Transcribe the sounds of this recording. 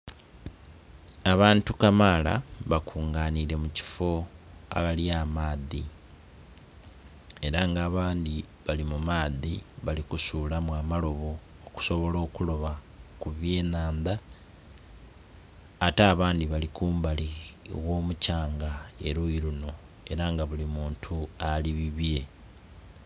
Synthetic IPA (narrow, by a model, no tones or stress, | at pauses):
aβaːntukamala̰βakʰuːŋɡaːniɾe̞muci̥fo̞a̰βaljamaːði | e̞ɾaŋɡaːβaːndi | βalimumaːðiβalikusuːlamwaːmalo̞βo̞ː | ku̥so̞βo̞lo̞ːkulo̞βa | kuβje̞ːnaːnda | taːβaːndiβalikuːmbaliwo̞ːmucaːŋɡae̞ɾuiɾuno̞ | e̞ɾaŋɡaβulimuːntʰualiβiβje̞